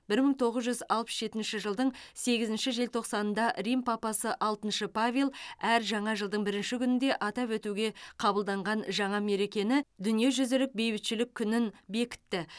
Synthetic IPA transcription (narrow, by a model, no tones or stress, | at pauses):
b̥ɪɾməɴt̪ʰo̞ʁəzʒʏzɑlˠpə̥sʒe̞t̪ɪnʃɪʒəlˠd̪əɴse̞ɡʲɪzɪnʃɪʒe̞lt̪ʰo̞qsɑnənd̪ɑrijmpʰɑpɑsəʔɑlˠt̪ənʃəpʰavʲilˠæɾʒɑɴɑʒəlˠd̪əɴbɪɾɪnʃɪkʲʏnɪnd̪e̞ʔɑt̪ɑpwɵt̪uɡʲe̞qʰɑbəlˠd̪ɑɴʁɑnʒɑɴɑme̞ɾe̞kʲe̞nɪd̪ʏnije̞ʒʏzɪlɪk̚be̞jbɪt̪ʃɪlɪkʲʰːʏnɪnbe̞kʲɪ̥t̪ːɪ